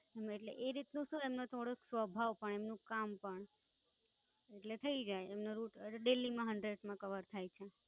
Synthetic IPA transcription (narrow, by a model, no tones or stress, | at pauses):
emeʈlḛʔeɾit̪nũsũemnot̪ʰoɽəksʋəbʱaʋpəɳemnũkampəɳ | eʈlet̪ʰəid͡ʒajemnoɾuʈɖelːimãɦəɳɖɾeɖmãkəʋəɾt̪ʰajt͡ʃʰe